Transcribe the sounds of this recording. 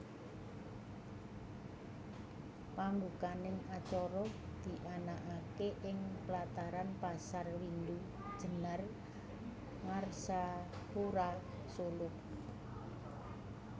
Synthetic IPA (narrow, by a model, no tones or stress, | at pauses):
pambukanɪŋat͡ʃɔɾɔd̪̥i̤ʔanaʔakeʔɪŋplat̪aɾanpasarwind̪u | d̥ʒ̥ə̤nar | ŋarsa | puɾa | solʊk̚